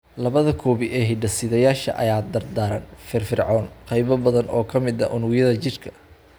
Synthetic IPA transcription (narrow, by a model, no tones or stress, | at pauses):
lɐβɐðɐkʰɔːβɪʔɛɦɪɖɐsɪðɐjaːʃɐ̰ʔɐ̰jaːd̪ɐrd̪aːɾɐ̰nfɪrfɪrʕɔːnqɛjβɐbɐðɐnʔɔːkʰɐmɪd̪ɐ̰ʔʊnʊɣjɐðɐt͡ʃɪrkʰɐ̥